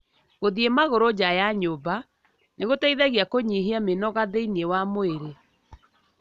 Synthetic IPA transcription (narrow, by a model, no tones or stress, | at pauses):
ɣoðiemaɣoɾod͡ʑajaɲoba | neɣotaiðɛɣiakoɲiɦiamenɔɣaðeinewamoeɾe